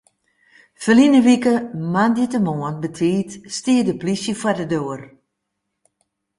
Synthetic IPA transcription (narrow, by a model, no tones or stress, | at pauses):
fəlinəʋikəmanditəmoənbətʰiːtstiːədəplisjəfadədøːər